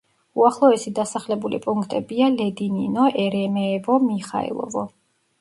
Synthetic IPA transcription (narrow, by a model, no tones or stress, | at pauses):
uaχlˠɔɛsid̪asaχlɛbulḭpʼuŋkʰt̪ʼɛbialɛd̪ininɔʔɛɾɛmɛːvɔmiχa̰ɛ̰lˠɔ̰vɔ